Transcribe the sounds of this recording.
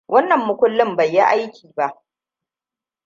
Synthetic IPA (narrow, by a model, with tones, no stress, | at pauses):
wʔɐ˦nːɐ˨mːʊ˦kʷʊ˦lːɪ˦mbɐ˨jːa˦ʔa˦jkʲʰiː˨ba˦˨ʔ